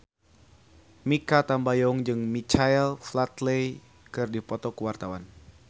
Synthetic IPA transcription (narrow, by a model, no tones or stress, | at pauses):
mikat̪ambajɔŋd͡ʒɨŋmit͡ʃaɛlflat̪lej | kɨrdipɔt̪ɔkuwart̪awan